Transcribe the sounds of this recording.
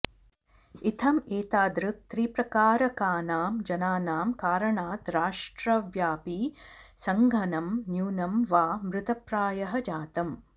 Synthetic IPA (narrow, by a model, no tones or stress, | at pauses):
it̪ʰɐmeːt̪aːd̪ɾɨk̚t̪ɾiːpɾɐkaːɾɐkaːnaːmd͡ʒɐnaːnaːmkaːɾɐɳaːt̪ɾaːʂʈɾɐʋjaːpisɐŋɡʱɐnɐmnjuːnɐmʋaːmɾɨt̪ɐpɾaːjɐɦɐd͡ʒaːt̪ɐm